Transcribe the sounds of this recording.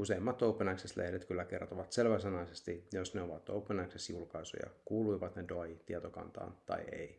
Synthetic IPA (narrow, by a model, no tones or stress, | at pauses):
useimːɑt̪ːoupːˑenɑksest̪lḛhdet̪kylːæke̞rt̪oʋɑt̪selʋæsenɑisest̪ijosneoʋɑt̪ːoupːenɑiksesjulkɑiso̰jɑ̰kuːluiʋɑt̪nedoɑjit̪iɑt̪okɑ̰nt̪ɑ̰ːnt̪ɑ̰iḛi